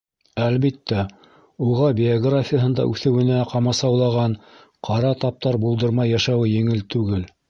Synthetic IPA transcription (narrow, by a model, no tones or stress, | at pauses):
ælβit̪ːæ | uʁɑbʲɪoɡrafʲɪjəɦɤ̆nd̪ɑ̰ʔʉθɘ̆wɘ̆næqɑmɑsɑwlˠɑʁɑɴ | qʰɑɾɑt̪ɑp̚t̪ɑɾbulˠd̪ɤ̆ɾmɑjːɑʃæwɘjɘ̆ŋɘlt̪ʉɡɘl